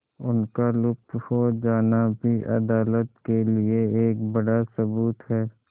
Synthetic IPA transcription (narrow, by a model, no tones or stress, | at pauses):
ʊnkalʊk̚t̪hoːd͡ʒaːnabʱiʔɐ̰d̪aːlət̪kelieeːkbɐɽasɐbuːt̪ɦɛː